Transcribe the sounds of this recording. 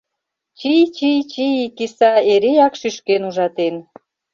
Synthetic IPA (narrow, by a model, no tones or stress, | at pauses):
t͡ɕijt͡ɕijt͡ɕijikisɑeɾejɑkʃyʃkenuʒɑt̪en